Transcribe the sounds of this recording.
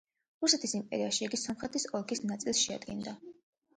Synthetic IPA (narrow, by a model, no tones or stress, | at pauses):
ɾusɛt̪ʰisimpʼɛ̰ɾiaʃiiɡisɔmχɾɛt̪ʰisɔlˠkʰisnat̪sʼilˠsʃɛa̰d̪ɡind̪a